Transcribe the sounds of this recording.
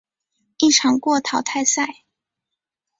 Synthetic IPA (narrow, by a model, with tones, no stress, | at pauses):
i˥˩ʈ͡ʂʰɑ˧˥ŋkwɔ˥˩t̪ʰɑ˨˥ʊt̪ʰa˥˧ɪsa˥˩ɪ